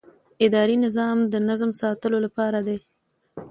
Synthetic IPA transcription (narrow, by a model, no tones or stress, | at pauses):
ɪd̪ɑɾinɪzɑmd̪ənazmsɑt̪əlolapɑɾad̪e